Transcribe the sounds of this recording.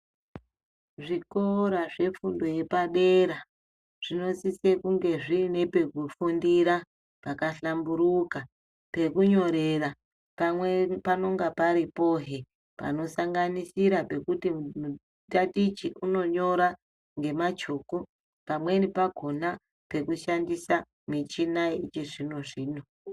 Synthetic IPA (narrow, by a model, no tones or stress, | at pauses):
ʐikoɾaʐe̞fundo̞je̞paɗe̞ɾa | ʐ̥ino̞sise̞kuŋɡe̞ʐine̞pe̞kufundiɾa | pakaɬambuɾuka | pe̞kuɲo̞ɾe̞ra | pawepano̞ŋɡapaɾipo̞ɦe | pa̰no̞saŋɡanisiɾape̞kutimu | tatit͡ʃiʔuno̞ɲo̞ɾa | ŋɡe̞mat͡ʃo̞ko | pamwe̞nipaɡʱo̞na | pe̞kuʃandisa | mit͡ʃinaiit͡ʃeʐino̞ʐiːno̞